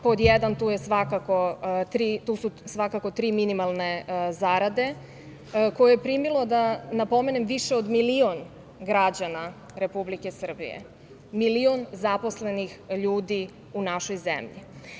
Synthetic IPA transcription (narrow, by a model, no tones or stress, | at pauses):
pod̪jɛd̪ant̪uːjesʋakako̞t̪ɾiːt̪ususʋakako̞t̪ɾiːminimalˠnezaɾad̪e̞ | ko̞jojepɾimilo̞d̪anapo̞mene̞mʋiʃeod̪milion | ɡɾad͡ʑana | ɾe̞publike̞sr̩bḭjḛ | milionzapo̞sle̞nixʎuːd̪i | unaʃo̞jzḛmʎḭ